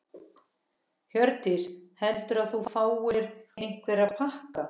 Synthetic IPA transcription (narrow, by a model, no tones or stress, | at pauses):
hjœɾt̪ɪshɛlt̪ʏɾaðθufaːwɪɾejŋ̥kvɪɾaðpʰahka